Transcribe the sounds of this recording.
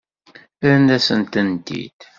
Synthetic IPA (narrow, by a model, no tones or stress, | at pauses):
əɾnd̪æsənt̪ənd̪ḭd̪̥